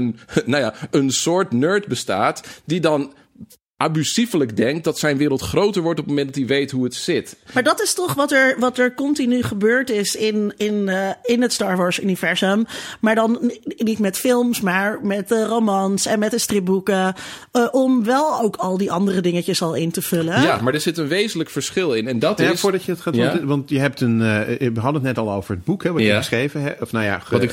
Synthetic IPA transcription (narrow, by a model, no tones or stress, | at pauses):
nnawjaːənsʊːɹtnøːɹtbəsta̰ːtdidɑn | ʔabysifələkdɛŋk̚t̚dɑtsɛjnʋɪːɾəlˠtχrowtəɹʋɔɹtɔpəməmɛndɑtiʋejtɦuətsɪtmaːɹdɑtɪstɔχʋɑtɛɹʋɑtɛɹkɔntinyχəbøːɹtɪsɪnɪnɪnɦətstɑːɹʋɔːɹsy̰nivɛɹsəmːaːɹdɑnnitmɛtfɪlˠmsmaːɹmɛtəromɑnsɛnmɛtdəstrɪp̚bukə | ʔɔmʋɛlˠowkʰɑlˠdiʔɑndərədɪŋəcəsɑlˠɪntəv̥ɵləjamaːɹdəɹzɪtənʋejzənləkfəɹsχɪlˠɪnɛndɑtjasfoːɹdɑcjədɑtχaːduʋɑntjəɦɛp̚tənʋəɦɑdəətnɛtɑlˠo̰wvəɹɦəd̚bukɦɛʋɑəəsχrejvəɛɔfnaja̰